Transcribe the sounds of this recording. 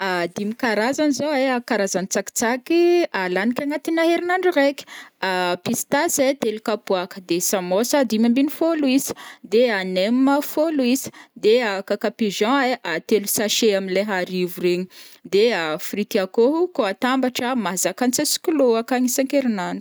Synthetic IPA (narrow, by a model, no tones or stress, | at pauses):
ad̪imikaɾazanizoeakaɾazanit͡saki̥t͡sakialanikʲaŋat̪inaɦeɾinaɳɖ͡ʐureki̥apist̪aset̪elukapuakə̥d̪esamosad̪imambinifoluiz̥i̥d̪eaneməfoluiz̥i̥d̪eakakapiʒɑ̃eʔat̪elusaʃeamileɦaɾivureɲid̪eafrit̪iakoɦukoat̪ambaʈ͡ʂəmazakant͡sesi̥kuloakaŋisãŋkeɾinaɳɖ͡ʐu